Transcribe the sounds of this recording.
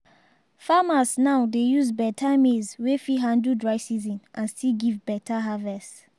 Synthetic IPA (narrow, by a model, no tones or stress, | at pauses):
famasnaʊdejuzbɛtʰamezwefiɦãndudɹaɪsizĩnʔãnstiɡivbɛtʰaɦavɛst